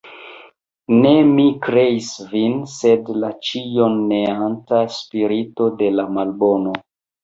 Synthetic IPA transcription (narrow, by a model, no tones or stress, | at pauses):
ne̞mikɾe̞isvinse̞dlat͡ʃijonːeantaspiɾito̞de̞lamalbo̞no̞